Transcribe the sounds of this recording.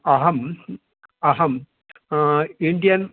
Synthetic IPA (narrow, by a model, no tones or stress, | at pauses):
ɐɦɐm | ɐɦɐm | ind̪ijɐn